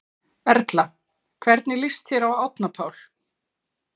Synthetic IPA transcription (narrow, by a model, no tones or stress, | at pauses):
ɛɾt̪la | kʰvɛɾt̪nɪlɪst̪θjɛɾawawt̪napʰaːwl̥